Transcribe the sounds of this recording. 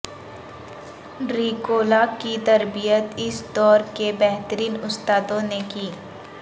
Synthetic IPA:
ɾiːkoːlakit̪ɐɾbijət̪ɪsd̪ɔːɾkebɛɦt̪əɾiːnʊst̪aːd̪õnekiː

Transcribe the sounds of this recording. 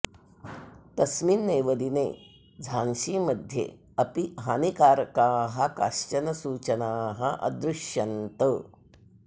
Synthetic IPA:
t̪ɐsminːeːʋəd̪inḛː | d͡zʱaːnʃiːmɐd̪ʱjḛ | ɐpiɦaːnikaːɾkaːɦɐka̰ʃt͡ʃɐnɐsuːt͡ʃɐnaːɦɐʔɐ̰d̪ɾuʃjɐnt̪ə

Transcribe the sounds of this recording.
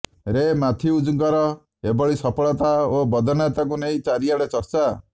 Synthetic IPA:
ɾemat̪ʰiud͡ʒuŋkɔɾɔ | ebɔɭisɔpɔɭɔt̪aobɔd̪ʱɔnat̪akuneĩt͡ʃaɾiaɽet͡ʃɔɾt͡ʃa

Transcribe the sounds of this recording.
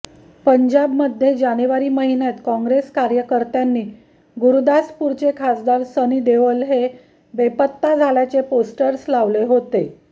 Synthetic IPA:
pəɲd͡ʑabməd̪ʱːjed͡ʑañeʋaɾiːməɦinjat̪kɔ̃ŋɡɾeskaɾjəkəɾt̪janːiː | ɡuɾud̪aspuɾt͡ɕekʰasd̪aɾsəniːd̪eʋəlɦe | ʋepət̪ːad͡zʱaljat͡seposʈəɾslaʋleɦot̪e

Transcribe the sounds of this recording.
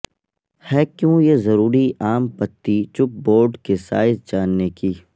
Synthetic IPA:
hɛːkjũːjezɐɾuːɾiaːmpɐt̪ːit͡ʃʊp̚boːɾɖkesa̰ːɪzd͡ʒaːnːeki

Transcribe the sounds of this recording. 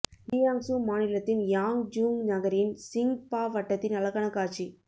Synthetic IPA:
dɪjaːŋsumaːnɪlɐt̪ːɪnjaːŋd͡ʒuːŋnɐɣɐɾjɪnsɪŋpaːʋɐʈːɐt̪ːɪnɐlɐɣɐɳɐkːaːɾt͡ʃi

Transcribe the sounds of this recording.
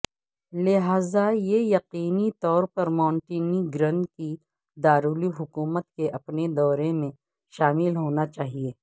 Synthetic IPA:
lɪɦaːzajejɐqiːnit̪ɔːɾpɐɾmãːɳʈiːniɡɾɐ̃nki | d̪aːɾuːliɦʊkuːmət̪keʔɐpned̪ɔːɾemẽ | ʃaːmɪlɦoːnat͡ʃaːɦieː

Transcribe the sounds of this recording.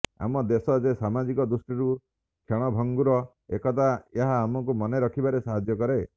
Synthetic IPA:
a̰mɔd̪esɔd͡ʒesamad͡ʒikɔd̪usʈiɾu | kʰeɽ̃ɔbʱɔŋɡuɾɔ | ekɔt̪̬aeɦaːmɔŋkumɔneɾɔkʰibaɾesaɦad͡ʒjɔkɔɾe

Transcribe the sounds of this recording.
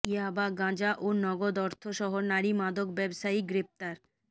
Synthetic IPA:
iabaɡãd͡ʑaʔonɔɡod̪ɔɾt̪ʰoʃɔɦonaɾimad̪okbɛbʃaiɡɾep̚t̪aɾ

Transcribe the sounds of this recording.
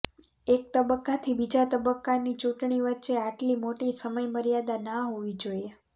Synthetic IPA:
ek̚t̪əbəkːat̪ʰibid͡ʒat̪əbəkːanit͡ʃuʈɳiʋətːʃeaʈlimoʈisəməjməɾjad̪anaɦoʋid͡ʒoje

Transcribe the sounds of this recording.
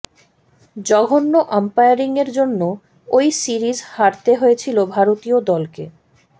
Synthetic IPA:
d͡ʑɔɡʱonːoʔampajaɾiŋeɾd͡ʑonːo | ojsiɾizhaɾt̪eɦojet͡ɕʰilobʱaɾot̪iod̪ɔlke

